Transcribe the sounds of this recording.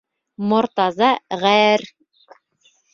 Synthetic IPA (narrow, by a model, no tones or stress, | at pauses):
mŏɾt̪ɑzɑʁæɘɾ